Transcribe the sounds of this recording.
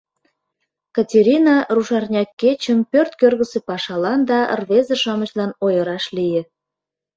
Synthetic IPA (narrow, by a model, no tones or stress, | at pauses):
kɑtʲeɾʲinɑruʃɑrnʲɑkːet͡ɕəmpørt̪kørɣəsepɑʃɑlɑnd̪ɑ̰rβezə̆ʃɑməɕlɑnojəɾɑʃlijĕ